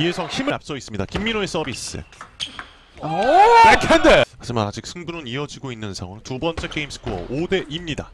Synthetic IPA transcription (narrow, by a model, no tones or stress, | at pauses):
iesʰʌŋçimɯɭap̚s͈ʌis͈ɯmɲidakimːiɾoes͈ʌbisɯ̰ | akʰendemad͡ʑɯmanad͡ʑik̚sʰɯŋbuɾɯniʌd͡ʑiɡoinːɯnsʰa̰ŋwʌŋtubʌnt͡ɕ͈e̞k͈e̞imsʰɯ̥kʰoʌ̰ode̞ʔimɲida